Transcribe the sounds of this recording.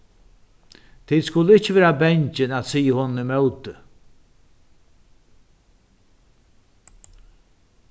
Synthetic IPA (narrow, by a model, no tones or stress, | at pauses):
t̪ʰiːd̪skʊlːəɪt͡ʃːɪveːɹabɛɲt͡ʃɪnæt̪siːəhɔnnimœwt̪ə